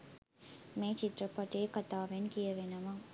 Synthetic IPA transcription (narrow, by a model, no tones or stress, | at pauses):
meːt͡ʃit̪rɐpɐʈeːkɐt̪aːʋenkijɐʋenɐmɐŋ